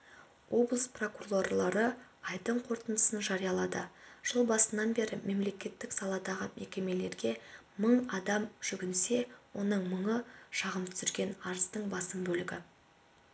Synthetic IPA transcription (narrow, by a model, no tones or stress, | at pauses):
wʔo̞blˠəspro̞kuro̞rlˠɑɾəɑjd̪əɴqʰo̞ɾt̪ənd̪əsənʒɑɾijɑlˠɑd̪ə̰ʒ̥əlˠbɑsənɑnbe̞ɾɪme̞mle̞kʲe̞t̪ːɪksɑlˠɑd̪ɑʁəmʔe̞kʲe̞me̞le̞ɾɡʲe̞ | məɴɑd̪ɑmʒ̥ʏɡʲɪnse̞wo̞nəɴməɴəʃɑʁəmt̪ʰʏ̥sɪɾɡʲe̞nɑɾəst̪əɴbɑsəmbɵlɪɡʲɪ